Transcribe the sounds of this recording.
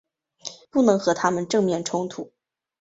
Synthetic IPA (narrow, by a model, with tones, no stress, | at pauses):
pu˥˩nɤ˧˥ŋxɤ˧˥t̪ʰa˥mə˨nʈ͡ʂɤ˥˧ŋmjɛ˥˩nʈ͡ʂʰʊ˥ŋt̪ʰu˨˩˦